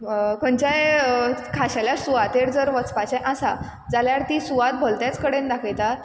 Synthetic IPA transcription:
kʰənt͡ɕajkʰaɕaljasuʋat̪eɽd͡zəɾʋət͡spat͡ɕajʔasa | d͡zaljaɾt̪iːsuʋat̪̚bʱolt̪jat͡skəɽend̪akʰajt̪at

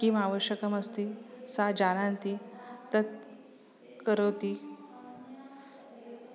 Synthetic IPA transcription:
kimaʋəɕjəkəməst̪isad͡ʑanant̪it̪ət̪̚ | kəɾəwt̪i

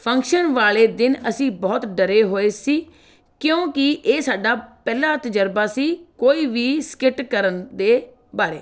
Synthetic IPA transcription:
pʰəŋkʃənʋaːleːd̪ɪnəsĩːbɔːt̪ɖəɾeːɦoːeːsiː | kjõːkɪʔeːsaːɖaːpɛːlaːt̪əd͡ʒəɾbaːsiːkoːiːʋiːskɪʈkəɾənd̪eː | baːɾeː

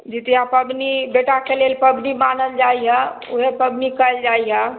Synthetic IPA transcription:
d͡ʒit̪jãpəbnibeʈakelelpəbnimanəld͡ʒaiɦã | uɦepəbnikəld͡ʒaiɦa

